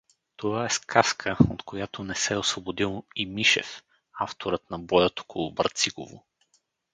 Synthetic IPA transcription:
t̪ovaɛskʰaskʰəot̪kʰojat̪onɛsɛosvobod̪ilˠimiʃɛ̰f | aft̪oɾət̪nɐbɔjət̪o̥kʰolˠʊbɐ̰ɾt̪siɡo̰vo̰

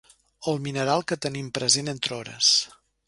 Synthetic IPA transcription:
oəlˠminəɾalˠkət̪ənimpɾəzenent̪ɾɔɾə̰s

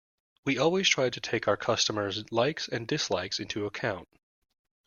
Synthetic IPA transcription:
wiɔlˠwiz̥tʰɹ̥aɪd̚tʰɨtʰeɪkaʊə˞kʰʌstəmə˞zlaɪksɨ̃ndɨslaɪksɪ̃ntʰʉəkʰãʊ̃nt

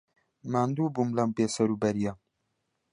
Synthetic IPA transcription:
maːnd̪ubumlɐmpeːsɐɾubɐɾija

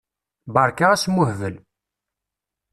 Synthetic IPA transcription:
bɑɾˤkaæsmʊhvəl

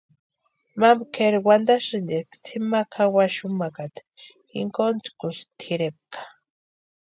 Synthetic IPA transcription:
mambkʰeɾwand̪aʃɨnd̪ekt͡sʰimakʰawaʃumakat̪ | xḭŋkont͡skust̪ʰiɾep̚kʰḁ

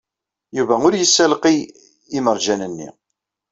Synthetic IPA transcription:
juvæʊɾjəsːælqi | iməɾˤd͡ʒænənːḭ

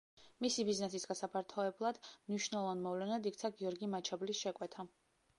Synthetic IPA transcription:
misibiznɛsisɡasapʰaɾt̪ʰɔɛblˠad̪̥mniʃnɛlˠɔvanmɔvlɛnad̪ikt̪sʰaɡiɔɾɡimat͡ʃʰablisʃɛkʼwɛt̪ʰa

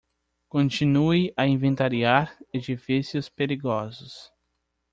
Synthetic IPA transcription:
kõt͡ʃinuiaĩvẽnt̪aɾiaɾed͡ʒifisjʊspeɾiɡɔzʊs

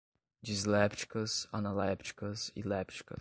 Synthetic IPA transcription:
d͡ʒizlɛpt͡ʃi̥kəsanalɛpt͡ʃi̥kəsḭlɛpt͡ʃi̥kə̰

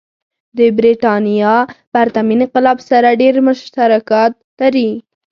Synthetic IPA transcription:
d̪əbɾiʈɑnijɑbaɾt̪aminɪqɪlɑbsaɾaɖeɾmʊʃt̪aɾakɑt̪̚laɾi

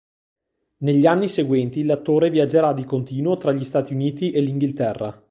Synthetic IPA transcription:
neʎːianːiseɡwɛnt̪ilat̪ːoːɾevjad͡ʒeɾad̪ikont̪iːnuot̪ɾaʎːist̪aːt̪iuniːt̪iʔeliŋɡilt̪ɛrːa̰

